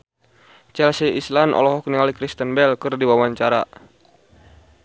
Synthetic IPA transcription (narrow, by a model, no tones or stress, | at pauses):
t͡ʃɛlsiʔislanʔɔ̰lɔɦɔkniŋalikɾist̪ənbɛlkɨrdiwawaɲt͡ʃaɾa